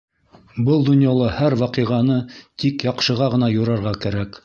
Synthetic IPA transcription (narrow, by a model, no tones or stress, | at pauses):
bɤlˠd̪ŏnjɑlˠɤhæɾwɑqɤʁɑnɤt̪ikjɑqʃɤ̆ʁɑʁɤ̆nɑjŏɾɑɾʁɑkæɾæk